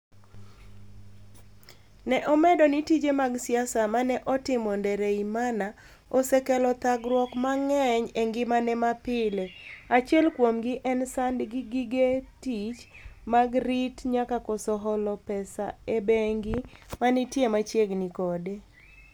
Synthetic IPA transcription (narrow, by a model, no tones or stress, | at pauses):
nɛʔɔmɛdɔnitid͡ʒemaɡsɪasamanɛʔɔtɪmɔndɛɾeimana | osɛkɛlɔt̪aɡɾwɔkmaŋɛɲeŋɡɪmanɛmapɪleat͡ʃɛlkwomɡɪʔɛnsandɡɪɡiɡetit͡ʃmaɡritɲakakɔsɔɦɔlɔpɛsa̰ebeŋɡɪmanitjemat͡ʃjeɡnikɔde